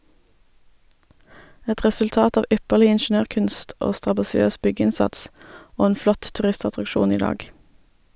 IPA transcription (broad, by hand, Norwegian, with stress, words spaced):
ˈɛt ʁɛsʉlˈtɑːt ˈɑːʋ ˈʔʏpəʁlɪ ɪnˈʃɳøːʁˌkʉnst ˈoː stʁɑbɑsɪˈøːs ˈbʏˌɡɪnsɑts ˈoː ˈeːn ˈflɔt tʉˈʁɪstɑtʁɑkˌʃuːn ˈiː ˈdɑːɡ